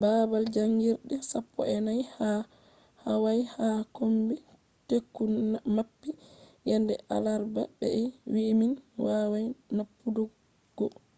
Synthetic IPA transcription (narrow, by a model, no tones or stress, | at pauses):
baːbald͡ʒaŋɡiɾɗɛsapːɔ̰ɛnajha | hawajhakombi | tekːunmapːijɛndɛʔa̰laɾba̰bɛ̰ɛwiminwawajnapːudɔ | ɡ̥ɔ